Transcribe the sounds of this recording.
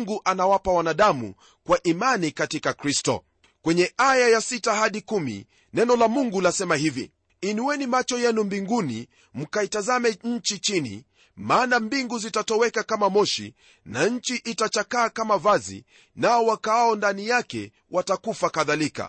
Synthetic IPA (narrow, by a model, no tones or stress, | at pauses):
ŋɡuʔanawapawanaɗamṵ | kwaʔimanikatikakɾistɔ̰ | kwɛɲɛʔajajasitahaɗikumḭ | nɛnɔlamuŋɡulasɛmahivḭ | iniwɛnimat͡ʃɔjɛnumbiŋɡunḭ | m̩kaitazamɛɲ̩t͡ʃit͡ʃinḭ | maːnambiŋɡuzitatɔwɛkakamamɔʃḭ | naɲ̩t͡ʃiʔitat͡ʃakaːkamavazḭ | naɔwakaaɔndanijakɛ̰ | watakufakaðalika̰